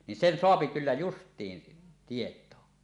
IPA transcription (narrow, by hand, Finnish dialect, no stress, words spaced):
nin sen soɑpi kylːæ justˑiːn tietoː